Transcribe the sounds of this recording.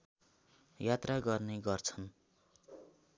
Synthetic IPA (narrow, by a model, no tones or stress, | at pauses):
jat̪raɡʌrneɡʌrt͡sʰʌn